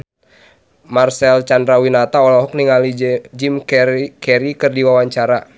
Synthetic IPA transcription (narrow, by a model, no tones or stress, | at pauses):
marsɛlt͡ʃandɾawinat̪aɔlɔɦɔk̚niŋalid͡ʒimkkɛɾikɨrdiwawaɲt͡ʃaɾa